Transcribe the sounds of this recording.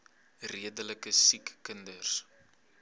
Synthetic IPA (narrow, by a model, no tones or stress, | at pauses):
riədələkəsikːəndərs